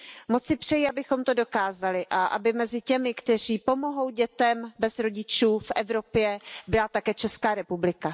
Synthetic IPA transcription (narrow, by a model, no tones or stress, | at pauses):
mot͡sɪpr̥ɛjɪabɪxo̞mt̪o̞do̞kaːzalɪʔaʔa̰bɪmɛzɪcɛmɪkt̪ɛr̝iːpo̞mo̞ɦo̞wɟɛt̪ɛmbɛzɾo̞ɟɪt͡ʃuːfʔɛvɾo̞pjɛbɪlat̪akɛːt͡ʃɛskaːɾɛpublɪka